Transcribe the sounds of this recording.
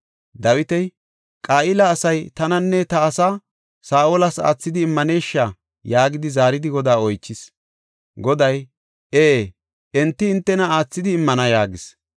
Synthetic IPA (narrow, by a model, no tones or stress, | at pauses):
d̪ɐwɪt̪ɛj | kʼaːʔɪlɐːsɐjt̪ɐnɐnːɛt̪ɐːsa | saːʔoːlɐsa̰ːt͡sːɪd̪ɪːmːɐne̞ːʃːa | jaːɡɪd̪ɪzaːɾɪd̪ɪɡɔd̪aːɔjt͡ʃːɪs | ɡɔd̪ɐj | ʔeː | ʔɛnt̪ːɪːnt̪ːɛnɐaːt͡sːɪd̪ɪːmːɐnɐjaːɡɪs